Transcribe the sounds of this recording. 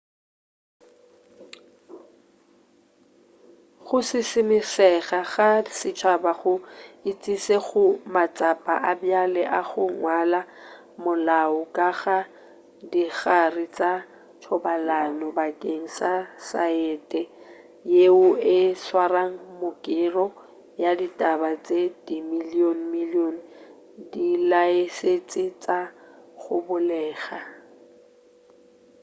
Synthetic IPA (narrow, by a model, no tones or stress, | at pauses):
χʊsɪsɪmɪsɛɣaɣasɪt͡ʃʰabaɣʊɪt͡sʼiseɣʊmat͡sʼapʼa̰ʔabjalɛʔaɣʊŋwala | mʊlaʊkʼaɣa | diɣarɪt͡sʼa | tʰɔbalanɔbakʼeŋ̩sasaɛtʼɛ | jeʊɪswaraŋ̩mʊkʼɪrɔ | jaditʼabat͡sʼedimilion̩milion̩ | dilaeset͡sʼɪt͡sʼaχʊbʊlɛːɣa